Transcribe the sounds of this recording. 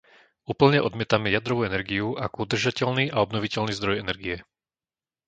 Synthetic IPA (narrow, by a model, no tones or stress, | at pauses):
uːpl̩ɲɛʔɔd̪mɪɛt̪amɛjad̪ɾɔʋuːɛnɛɾɡiuakud̪r̩ʒacɛʎniːʔaɔbnɔʋicɛʎniːzd̪ɾɔjɛnɛɾɡiɛ